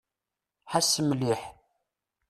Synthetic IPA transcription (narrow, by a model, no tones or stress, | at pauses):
ħasːəmliħ